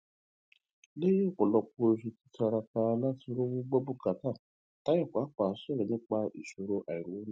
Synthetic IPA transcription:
le˦je˦˨kɔ˨lɔ˧k͡po˧o˧ʃi˧ti˦ta˧ɾa˧ta˧la˦ti˧˦ɾo˦wũ˦ɡ͡bɔ˦bu˦˨ka˨ta˦˨ | ta˨˦jɔ˦˨kʷaː˨˦k͡pa˨˦ʃɛ˦˨ɾɛ˨nĩ˦k͡pa˧ḭ˨ʃo˧ɾo˧ʔa˨i˨ɾu˨õ˨˦

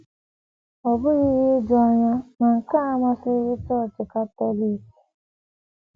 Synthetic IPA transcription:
ɔ˨bʊ˦ɣi˦ɾi˦d͡ʒɔ˦ɲa˦na˨ŋ̩˨ka˦a˦mʷa˦sɪ˦ɣɪ˦t͡ʃɔ˦˨t͡ʃɪ˨ka˦te˦li˦k

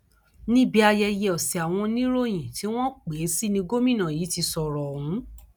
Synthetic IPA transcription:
nĩ˦bi˦a˧jɛ˧je˧˨ɔ˨si˨a˨w̃ɔ̃˧nĩ˦ɾo˦˨j̃ĩ˨ti˨˦w̃ɔ̃˦k͡pe˨˦si˦nĩ˧ɡo˦mĩ˦˨nã˨jiː˨˦ti˧sɔ˨ɾɔ˨ũ˨˦

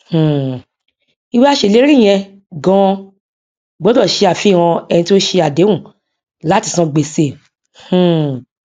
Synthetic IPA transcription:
h̩˨ | i˧we˦a˦ʃe˧˨le˦ɾi˦˨j̃ɛ̃˧ | ɡɔ̃˧˦ | ɡ͡bɔ˨˦dɔ˦˨ʃe˧a˨fi˦˨ɾ̃ã˧ɛ˧nĩ˧ti˦o˦ʃe˧a˨de˨˦wũ˦˨ | la˨˦ti˦˨sã˧ɡ͡be˨se˧˨ | hũ˨

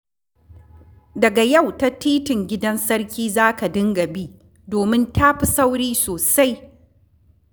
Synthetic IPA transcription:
dɐ˨ɡa˨ja˦˨wta˦tiː˦tɪ˨ŋɡʲɪ˦dɐ˦nsɐ˦ɽkʲiː˦zaː˦ka˨dɪ˦ŋɡɐ˨biː˦ | doː˨mɪ˦ntʰaː˦ɸi˨sa˦wɽiː˦soː˨sa˦j

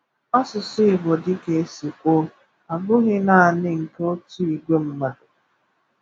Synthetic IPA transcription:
ɔ˦sʊ˨sɪ˦ɪ˨bo˨dɪ˦ke˨e˦si˨kʷo˦ | a˨bʊ˦ɣɪ˦na˦˨a˨nɪ˦ŋ̩˨ke˦o˦tu˦i˨ɡʷe˦m̩˦ma˨dʊ˨

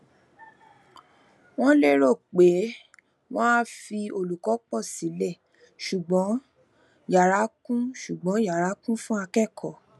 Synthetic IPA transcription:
w̃ɔ̃˦le˦ɾo˦˨k͡pe˨˦ | w̃ɔ̃˦a˦fi˧o˧˨lu˨kɔ˨˦k͡pɔ˦˨si˨˦lɛ˦˨ | ʃu˨ɡ͡bɔ̃˨˦ | ja˨ɾa˨˦kũ˦ʃu˨ɡ͡bɔ̃˨˦ja˨ɾa˨˦kũ˦fũ˦a˧kɛ˦˨kʰɔ˨

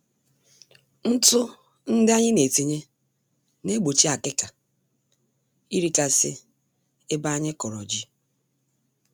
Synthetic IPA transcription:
n̩˦tʊ˦ | n̩˦dɪ˦a˦ɲɪ˦ne˨te˨ɲe˦ | ne˦ɡ͡bo˨t͡ʃi˦a˨kɪ˦ka˨ | i˦ɾi˦ka˨sɪ˦ | ɪ˦ba˦ɲɪ˦kɔ˨ɾɔ̰˨d͡ʒi˦

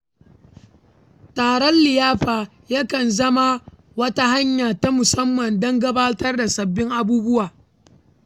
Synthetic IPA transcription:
taː˨ɽɔ˦nlɪ˨jaː˦ɸaː˨ | jɐ˦kɐ˨nzɐ˦ma˦ | wɐ˦ta˦ha˦ɲjaː˨ta˦mʊ˨sɐ˦mːɐ˨ndɐ˦ŋɡɐ˦baː˦tɐ˦rda˨sɐ˨bːɪ˦ŋʔa˦buː˦bʊ˦waː˨

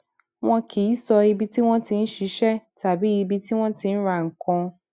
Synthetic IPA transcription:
wɔ̃˦kʰi˨ji˦sɔ˨ji˦bi˦tʰi˦w̃ɔ̃˦tʰɪ̃˨n̩˦ʃi˨˦ʃɛ˦tʰa˨bi˦ji˨bi˦tʰi˦wɔ̃˦tʰɪ̃˦n̩˦ɾã˨ŋ̩˨kʰɔ̃˦

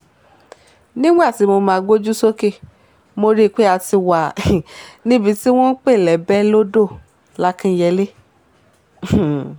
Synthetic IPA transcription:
nĩ˦ɡ͡ba˦˨ti˨˦mo˧mãː˧ɡo˦d͡ʒu˦so˦ke˦˨ | mo˧ɾi˦˨k͡pe˦a˧ti˧wa˨ | nĩ˦bi˧ti˦w̃ɔ̃˦n̩˦k͡pe˦˨lɛ˨bɛ˦lo˦do˦˨ | la˦kĩ˦jɛ˧le˦˨

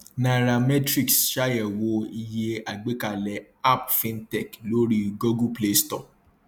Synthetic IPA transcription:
na˨ɾa˨mɛ˦tɾi˦˨ksʃa˦jɛ˨wo˧i˧je˧a˨ɡ͡be˦ka˦˨lɛ˨ | a˦pfĩ˧ntɛ˦˨klo˦ɾi˦ɡo˦ɡu˦ple˦stɔ˦˨

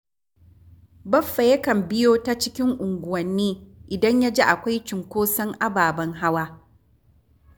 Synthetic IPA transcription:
bɐ˦fːɐ˨jɐ˦kɐ˨mbɪ˦joː˦ta˦t͡ʃɪ˦kʲɪ˦ŋʔʊ˨ŋɡʷʊ˨wɐ˨nːeː˦ʔɪ˨dɐ˦ɲja˦d͡ʒe˦ʔa˨kʷa˦jt͡ʃɪ˨ŋkʷoː˦sɐ˦ŋʔa˦baː˨bɐ˦ŋɦa˦waː˦

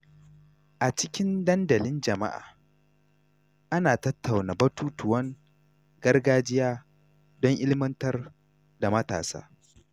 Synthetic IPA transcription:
ʔa˨t͡ʃɪ˦kʲɪ˦ndɐ˦ndɐ˨lɪ˦nd͡ʒɐ˨ma̰˦ʔa̰ː˨ | ʔa˦naː˨tɐ˦tːa˨wnaː˨bɐ˦tuː˦tʊ˨wɐ˦ŋ | ɡɐ˦rɡaː˦d͡ʒɪ˦jaː˦ | dɔ˦ŋʔɪ˦lɪ˦mɐ˦ntɐ˦r | da˨mɐ˦ta̰ː˨sa̰ː˦

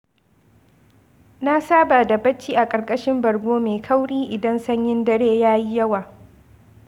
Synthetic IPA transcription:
na˦saː˦baː˨da˨bɐ˦t͡ʃːiː˦ʔa˨kʼɐ˨rkʼɐ˦ʃɪ˦mbɐ˨ɽɡʷoː˦meː˨kʰa˦wɽiː˦ʔɪ˨dɐ˦nsɐ˦ɲjɪ˦ndɐ˦ɽeː˦jaː˦ji˦jɐ˦waː˨

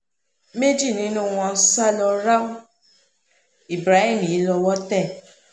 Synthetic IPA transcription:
me˦d͡ʒi˦˨nĩ˦nũ˦˨w̃ɔ̃˧˦sa˦lɔ˧ɾa˦o˦ | i˨bɾa˨˦hĩ˦˨m˨i˨˦lɔ˧wɔ˦tɛ˦˨

